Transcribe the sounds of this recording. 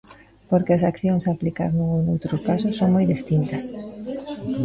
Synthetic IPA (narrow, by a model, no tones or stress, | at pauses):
poɾkeɐsakθjoŋsaplika̰ɾnuŋunowt̪ɾʊkasʊsoŋmojðist̪int̪ɐs